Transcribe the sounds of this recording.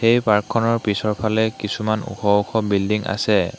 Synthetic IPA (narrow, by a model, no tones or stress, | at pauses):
xejpaɹkʰːɔnɔɹpisɔɹpʰalɛkisumanṵxʰɔuxʰɔbildiŋʔa̰sɛ